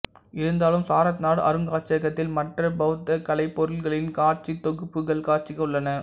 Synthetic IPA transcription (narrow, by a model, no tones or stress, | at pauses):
ɪɾɯnd̪aːlɯmsaːɾɐt̪naːɽɐ̰ɾɯŋɡaːʈ̚t͡ʃːɪɐɣɐt̪ːɪlmɐʈrɐbɐɯt̪ːɐkɐlɐɪpːɔɾɯlɣɐɭɪnkaːɾt͡ʃit̪ːɔɣɯpːɯɣɐɭkaːʈ̚t͡ʃɪɣɐʊɭːɐnɐ